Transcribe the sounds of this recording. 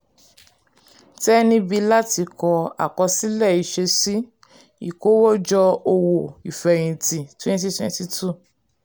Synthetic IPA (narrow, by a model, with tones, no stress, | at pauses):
tɛ˦nĩ˦bi˧la˦ti˧kɔ˧a̰˨kɔ˧si˦lɛ˦˨i˧ʃe˧si˦ | i˦˨ko˨˦wɔ˦d͡ʒɔ˧o˧wo˨i˨fɛ˨j̃ĩ˧˨ti˨twɛ̃˦n˦ti˦twɛ̰̃˧nti˧tʰu˦˨